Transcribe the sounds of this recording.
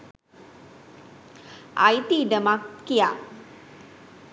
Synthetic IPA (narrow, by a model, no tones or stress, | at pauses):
a̰jt̪iɖəmakkija̰